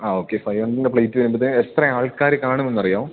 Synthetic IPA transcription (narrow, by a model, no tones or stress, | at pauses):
aːoːkːefɐjʋɐɳɖindepɭɐjtːuʋɐnumbɐðɨet̪rɐaːɭkaːɾɨkaːɳume̞nːɐrijaːʋum